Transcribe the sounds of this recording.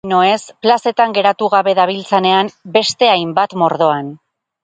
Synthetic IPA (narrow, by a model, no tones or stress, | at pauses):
noe̞splase̞t̪aŋɡe̞ɾat̪uɣaβe̞ðaβ̞ilt͡sene̞ambe̞st̪e̞ajmbat̪mo̞ɾð̞o̞an